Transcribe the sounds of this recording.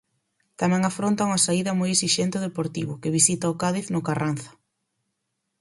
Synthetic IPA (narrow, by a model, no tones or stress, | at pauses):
t̪amɛ̃ŋafɾont̪ɐuŋasaiðɐmojeksiʃɛnt̪eoðepoɾt̪iβ̞ʊkɪβisit̪ɐʊkaðiθnʊkaranθɐ̥